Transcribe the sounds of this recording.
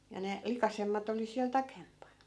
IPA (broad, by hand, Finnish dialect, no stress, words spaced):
jɑ ne likɑsemːɑt oli siæl tɑkempɑn